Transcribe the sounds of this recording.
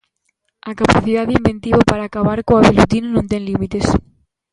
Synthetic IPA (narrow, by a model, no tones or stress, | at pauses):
akapaθiðaðimbẽnt̪iβopaɾaːkaβaɾkoaβelut̪inonõnt̪eŋlimit̪es